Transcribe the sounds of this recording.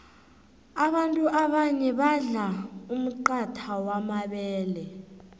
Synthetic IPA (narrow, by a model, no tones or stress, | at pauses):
aɓantʼuʔaɓaɲɛɓaɮaum̩ǃatʰawamaɓɛːlɛ